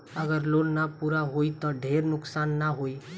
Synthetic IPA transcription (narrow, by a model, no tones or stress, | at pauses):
əɡəɾloɽnapuɾaɦoit̪ɔɖʱeɾnʊksaːnːaɦoi